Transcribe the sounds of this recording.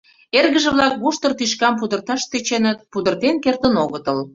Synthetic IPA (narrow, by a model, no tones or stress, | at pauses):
erɣəʒə̆βlɑk̚βuʃt̪ərt̪yʃkɑmp̬ud̪ərt̪ɑʃt̪et͡ɕenət̪̚pud̪ərt̪enkert̪ənoɣət̪əl